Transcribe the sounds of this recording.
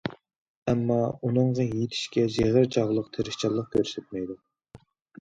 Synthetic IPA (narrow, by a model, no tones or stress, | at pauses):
ɛmːɑunɨŋʁɑjet̪ʰi̥ʃkʲɛd͡ʒeʁəɾt͡ʃʰɑʁlˠəqt̪ʰeɾɪʃt͡ʃʰɑlˠːəq̚kʲʰøɾsɛt̪̚mɛjd̪u